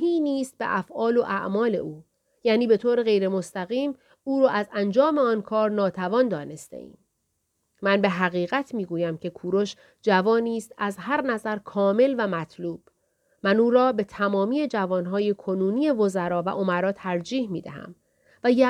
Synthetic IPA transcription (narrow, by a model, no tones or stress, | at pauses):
iːniːst̪̚bḛʔæfʔɒːlo̞ʔæ̰ʔmɒːle̞̰uː | jæːniːbe̞t̪ʰoːɾeɣe̞jɾemost̪æɣiːm | uːɾɔːʔæzænd͡ʒɒːme̞ɒːnkʰɒːɾnɒːt̪ʰævɒːnd̪ɒːne̞st̪ḛʔḭːm | mænbe̞ɦæɣiːɣæt̪ʰmiːɡuːjæmcʰe̞kʰuːɾoʃ | d͡ʒævɒːniːst̪æzɦæɾnæzæɾkʰɒːme̞lvæmæt̪ʰluːb̥ | mænuːɾɒːbe̞t̪ʰæmɒːmiːje̞d͡ʒævɒːnɦɒːje̞kʰo̞nuːnije̞vo̞zæɾɒːvæ̰ʔo̞mæɾɒːt̪ʰæɾd͡ʒiːhmiːd̪æ̰hæ̰m | væjæ